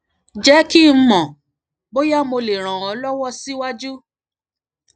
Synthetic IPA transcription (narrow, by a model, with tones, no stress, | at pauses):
d͡ʒɛ˨˦ki˦m̩˦mɔ̃˨ | bo˦ja˦mo˧le˨ɾ̃ã˨w̃ɔ̃˨˦lɔ˦wɔ˦si˦wa˦d͡ʒu˦